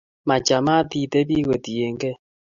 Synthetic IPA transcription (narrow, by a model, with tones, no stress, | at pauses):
ma˨t͡ʃa˨ma˦ti˨te˦βi˦ɣe˨ti˨e˨ŋɡɛ˦